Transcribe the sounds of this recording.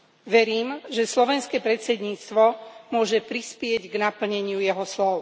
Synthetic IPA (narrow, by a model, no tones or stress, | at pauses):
ʋɛɾiːmʒɛslɔʋɛnskɛpɾɛt̪t͡sɛd̪ɲiːt͡st̪ʋɔmʊɔʒɛpɾispɪɛɟɡnapl̩ɲɛɲɪujɛɦɔslɔʊ